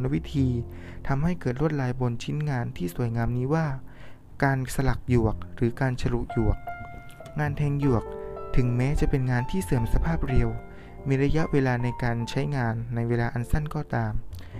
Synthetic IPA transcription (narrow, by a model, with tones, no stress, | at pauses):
na˦˥wi˦˥t̪ʰiː˧ | t̪ʰa˧mɦa˥˩jkɤː˨˩t̪̚ɾu˥˩ət̪̚laː˧jbo˧nt͡ɕʰi˦˥nŋaː˧nt̪ʰiː˥˩su˨˩əjŋaː˧mniː˦˥waː˥˩ | kaː˧nsa˧la˨˩k̚ju˨˩ək̚ɾɯː˩˦kaː˧nt͡ɕʰa˧ɾu˨˩k̚ju˨˩ɐk̚ | ŋaː˧nt̪ʰɛː˧ŋju˨˩ək̚t̪ʰɯ˨˩˦ŋmɛː˦˥t͡ɕa˨˩pe˧nŋaː˧nt̪ʰiː˥˩sɯ˨˩əmsa˧pʰaː˥˩p̚ɾi˧əw | miː˧ɾa˦˥ja˦˥ʔweː˧laː˧na˧jkaː˧nt͡ɕʰa˦˥jŋaː˧nːa˧jweː˧laː˧ʔa˧nsa˥˩nkɔː˧˩t̪aː˧m